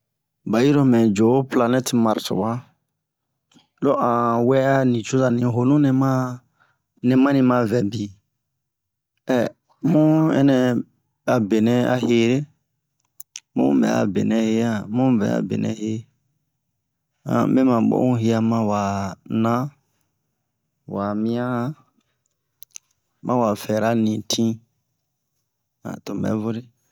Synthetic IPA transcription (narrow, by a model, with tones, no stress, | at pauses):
ba˨ji˦ɾɔ˦mɛ̃˨d͡ʒo˨˦pla˧nɛ˦ti˨ma˨ɾtɔ̰˨wa˦ | lo˦ʔã˨wɛ˦a˦nĩ˨t͡ʃu˦za˨nĩ˨ɦo˨nũ˦nɛ̃˨mã˦ | nɛ̃˨mã˦nĩ˧mã˨vɛ˨bi˨ | ɛ˨ | mũ˦ɛ̰˦nɛ̃˨˧ | a˨be˨nɛ̃˦a˦ɦe˦ɾe˦ | mṵ̃˦bɛ̰˨a̰˨bḛ˨nɛ̃˨he˦a˦mũ˦vɛ̰˨˦a̰˨bḛ˨nɛ̰̃˦he˦ | ã̰˨be˦mã˨ɓo̰˦ũ˦ɦe˦a˧mã˦wa˨nã˦ | wa˨mĩ˦ã˦ | mʔã˦wa˨fɛ˨ɾa˦nĩ˨tʰĩ˦ | ã̰˨tõ˨bɛ̰˨˦vo˦ɾe˦